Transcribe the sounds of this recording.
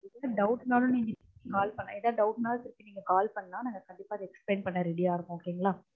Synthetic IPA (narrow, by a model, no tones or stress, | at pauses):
ɪlɐɖɐʊʈnaːlʊ̃niːŋɡɐt̪ɪɾkːikaːlpɐɳːa̰ːɪðɐɖɐʊʈnaːlt̪ɪɾɯkːĩniːŋɡɐkaːlpɐɳːnaːnaːŋɡɐkɐɳɖɪpːaːðɛkspleːnpɐɳːɐɾɪɽɪaːɾɯkːʊ̃oːkːɐɾiːŋɡɐɭaː